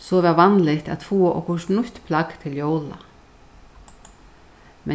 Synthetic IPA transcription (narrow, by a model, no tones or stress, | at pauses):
soːʋɑʋɑnlɪçt̪ɑ̰t̪fuːʔɔ̰kʰʊʂnʊçt̪pʰlɑɡ̥t̪ʰɪljowlɑ̰ | mʔɛ